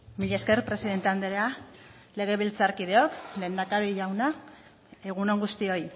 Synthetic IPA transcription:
miʎeskeɾpɾe̞siðe̞nt̪e̞and̪eɾea | le̞ɣ̞eβilt͡saɾkið̞e̞o̞kle̞ːnd̪akaβiʝawna | e̞ɣ̞uno̞ŋɡust̪io̞j

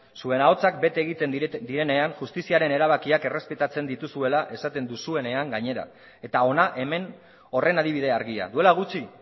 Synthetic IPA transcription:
sue̞nao̞t͡sak̚be̞t̪eeɣit̪e̞nd̪iɾe̞ne̞anʝust̪isiaɾe̞ne̞ɾaβ̞akiake̞re̞spe̞t̪at͡se̞nd̪it̪usue̞laʔe̞sat̪e̞nd̪usue̞ne̞aŋɡaɲe̞ɾa̰ | e̞t̪ao̞naʔe̞me̞n | o̞re̞nað̞iβ̞ið̞e̞aɾɣia̰ðue̞laɣ̞ut͡si

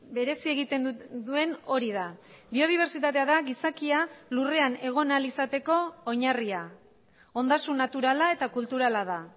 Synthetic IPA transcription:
be̞ɾe̞sie̞ɣ̞it̪e̞nud̪ue̞no̞ɾið̞a | bio̞ð̞iβ̞e̞ɾt͡ʃit̪at̪e̞aðaɣisakialure̞ane̞ɣ̞o̞nalisat̪e̞ko̞ːɲaria | o̞nd̪asunːat̪uɾalae̞t̪akult̪uɾalaða

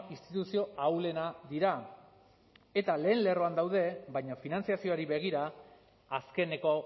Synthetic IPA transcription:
ist̪it̪usio̞awle̞nad̪iɾa | e̞t̪ale̞ːnle̞ro̞and̪awðe̞bajɲafinant͡siasio̞aɾiβe̞ɣ̞iɾaː | ske̞ne̞ko̞

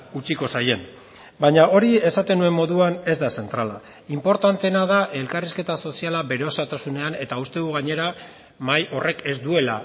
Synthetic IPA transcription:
ut͡ʃiko̞saje̞n | baɲaʔo̞ɾie̞sat̪e̞nue̞mːo̞ðuane̞zd̪ase̞nt̪ɾala | impo̞ɾt̪ant̪enað̞aʔe̞lkariske̞t̪aso̞sialaβe̞ɾeosat̪asune̞ane̞t̪aust̪e̞ðuɣaɲe̞ɾa | majʔo̞rʔe̞ke̞zd̪ue̞la̰

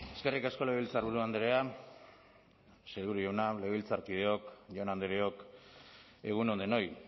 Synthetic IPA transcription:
e̞ske̞rikasko̞le̞ilt͡saɾβuɾuand̪eɾea | selβuɾuʝownale̞ilt͡saɾkið̞e̞o̞kʝonand̪eɾeo̞k | e̞ɣ̞unond̪eno̞j

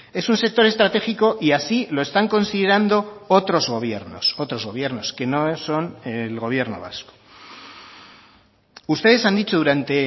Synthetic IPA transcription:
e̞sunse̞k̚t̪o̞ɾe̞st̪ɾat̪e̞xiko̞ʔiasilo̞e̞st̪aŋko̞nsiðe̞ɾand̪o̞ot̪ɾo̞zɣo̞β̞je̞ɾno̰so̞t̪ɾo̞zɣo̞β̞je̞ɾno̞ske̞no̞so̞nelɣo̞β̞je̞ɾno̞̰βa̰sko̥ | ust̪e̞ð̞e̞sand̪it͡ʃo̞ðuɾant̪e̞

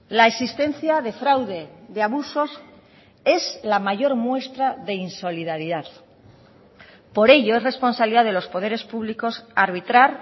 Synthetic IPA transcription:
laesist̪e̞n̟θjaðe̞fɾawðe̞ðeaβuso̞s | e̞zlamaʝo̞ɾmwe̞st̪ɾaðe̞inso̞liðaɾiðað | po̞ɾe̞ʎoe̞sre̞spo̞nsaβliðaðe̞lo̞spo̞ð̞e̞ɾe̞spuβ̞liko̞saɾβ̞it̪ɾaɾ

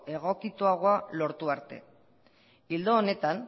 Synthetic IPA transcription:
e̞ɣ̞o̞kit̪uaɣoalo̞ɾt̪uaɾt̪e̞̰ | ild̪oːne̞t̪an

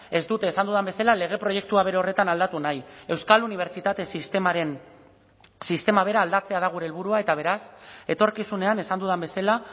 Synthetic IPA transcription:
e̞zd̪ut̪e̞ːsand̪uðambe̞salale̞ɣ̞e̞pɾo̞je̞k̚t̪uaβe̞ɾeo̞ret̪anald̪at̪unaje̞wskaluniβ̞eɾt͡ʃit̪at̪e̞sist̪emaɾen | sist̪e̞maβ̞e̞ɾaːld̪at͡se̞að̞aɣ̞uɾelβ̞uɾuae̞t̪aβ̞e̞ɾase̞t̪o̞ɾkisune̞ane̞sand̪uðambe̞sala

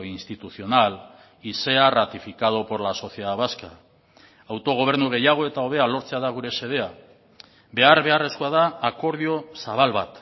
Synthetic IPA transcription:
inst̪it̪uθio̞nal | ise̞arat̪ifikað̞opo̞ɾlaso̞θje̞ðaβaska | awt̪o̞ɣ̞o̞β̞e̞ɾnuɣ̞e̞jaɣ̞o̞e̞t̪ao̞βe̞alo̞ɾt͡se̞aðaɣ̞uɾe̞se̞ð̞e̞a | be̞aɾβe̞are̞skoaðaːko̞ɾð̞io̞saβ̞alβat̪

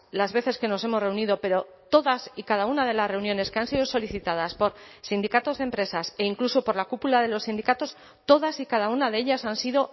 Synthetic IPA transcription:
lazβe̞θe̞ske̞no̞se̞mo̞sre̞uniðo̞pe̞ɾo̞t̪o̞ðasikað̞aunaðe̞lasre̞unjo̞ne̞ske̞ansiðo̞so̞liθit̪að̞aspo̞ɾsind̪ikat̪o̞zðe̞mpɾe̞sase̞iŋkluso̞po̞ɾlakupulað̞e̞lo̞sːĩnd̪ikat̪o̞s | t̪o̞ðasikað̞aunaðeeʎasansiðo̞

